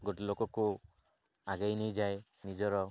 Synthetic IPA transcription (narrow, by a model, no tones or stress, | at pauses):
ɡoʈilokɔko | aɡajnejd͡ʒaj | nid͡ʒɔɾɔ